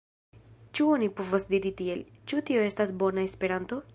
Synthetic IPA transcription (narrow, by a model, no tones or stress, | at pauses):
t͡ʃuo̞nipo̞vasdiɾitie̞lt͡ʃutio̞e̞stasbo̞nae̞spe̞ɾanto̞